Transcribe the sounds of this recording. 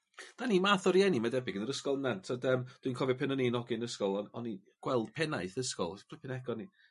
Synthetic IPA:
d̥animaθɔɾjɛnimadɛbɪɡənəɾəskɔlˠənantʰadəmd̥winkʰɔvɛpʰɛnəninɔɡɪnəskɔlˠɔɔni | ɡ̥wɛlˠd̥pʰɛnaɨθəskɔ̰lˠpripʰɪnɛɡɔni

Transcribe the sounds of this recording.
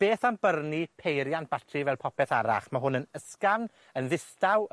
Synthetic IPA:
b̥eːθambərnipʰejɾjanb̥atʰrivɛlˠpʰɔpʰɛθaɾa̰χmaɦʊnənəskavn | ənðɪstaw

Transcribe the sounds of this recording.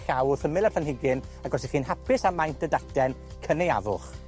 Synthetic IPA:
ɬawθəmɪlˠaplanhɪɡɪnaɡɔsiχiːnhapɪsamajntədatʰɛn | kʰəneja̰vʊ̰χ

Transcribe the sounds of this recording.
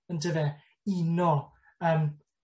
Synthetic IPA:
əndəðɛ | inɔ | əːm

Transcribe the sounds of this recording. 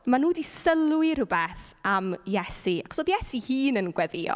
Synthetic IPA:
manuːdisəlˠwɪr̥ʊbɛθamjɛsiakʰsoːbjɛsihiːnənɡwɛðɪɔ̰

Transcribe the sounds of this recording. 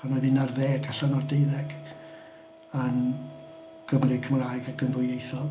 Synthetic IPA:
anɔðɪnarðeːɡaɬanɔrdejðɛɡ̥ | ən | ɡ̥əmrɪkʰəmraːjɡaɡənvʊjejθɔlˠ

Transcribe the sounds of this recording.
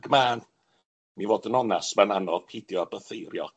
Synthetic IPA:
ɡ̥maːn | minvoːdənɔnasmananɔv̥pʰɪdjɔabəθejɾjɔ̰

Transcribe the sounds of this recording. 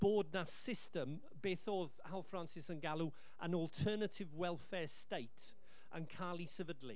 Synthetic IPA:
b̥oːd̚nassɪstə̃m | beːθoːðhalˠfransɪsənɡalˠu | ə̰nɔlˠtʰɜːnətʰɪvwɛlˠfɛɹstejtʰ | ə̰nkʰaːlˠisəvədlḭ

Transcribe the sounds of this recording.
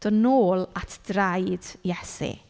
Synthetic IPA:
d̥ɔnoːlˠatʰd̥rajd̥jɛsḭ

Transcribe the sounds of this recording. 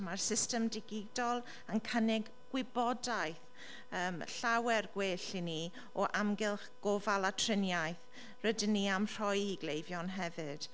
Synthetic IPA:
marsɪstəmdɪɡɪdɔlˠ | ənkʰənɪɡ | ɡ̥wɪbɔdajθ | əːmɬawɛrɡweːɬini | ɔʔamɡɪlˠχɡ̥ovalˠatʰrɪnjajθ | rədɪnːiamr̥ɔjiɡlejvjɔnɦɛvɨd̥

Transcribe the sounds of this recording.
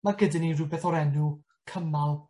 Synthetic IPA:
maɡədɪniɾubɛθɔɾɛnu | kʰəmalˠ

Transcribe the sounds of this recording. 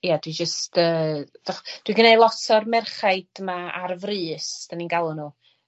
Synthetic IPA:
jadwid͡ʒəstʰəːdɔχd̥wiɡənelˠɔtʰɔrmɛrχaɨd̥maarvrɨːsd̥aninɡalˠʊnuː

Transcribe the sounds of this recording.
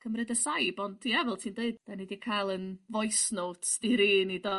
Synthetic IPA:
kʰəmɾɨdəsajbɔnddʰiɛvɔlˠtʰiːndeɨd̚d̥anidikʰajlˠənvɔjsnoːtʰd̥iɾiːnidɔ

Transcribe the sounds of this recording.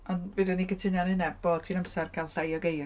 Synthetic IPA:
ɔnvɪdənikətʰɪnjanɪnɛb̥oːd̚tʰinamsɛrkʰalˠɬajɔɡej

